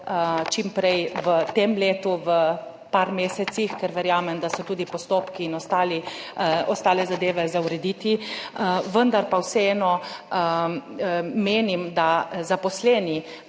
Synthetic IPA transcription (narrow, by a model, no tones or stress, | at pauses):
t͡ʃimpɾɛjʋət̪emleːt̪uʋə | paɾmeːsɛt̪sixkɛɾʋɛɾjaːmɛmd̪asɔt̪uːd̪ipɔst̪oːpkiːnɔst̪aːliɔst̪aːlɛzad̪eːʋɛzawɾɛd̪iːt̪i | ʋənd̪aɾpawsɛɛːnɔ | meːnimd̪azapɔslɛːni